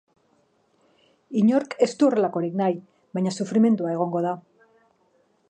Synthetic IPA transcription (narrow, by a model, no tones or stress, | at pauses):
iɲo̞ɾke̞st̪uore̞lako̞ɾiknaj | βajɲasufɾime̞nt̪uae̞ɣ̞o̞ŋɡo̞ð̞a